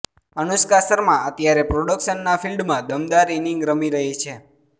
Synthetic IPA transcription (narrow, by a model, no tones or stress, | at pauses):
ənuskasəɾmãət̪jaɾepɾoɽəkʃənːafʰilɖmãd̪əmd̪aɾiniŋɡɾəmiɾəɦit͡ʃʰe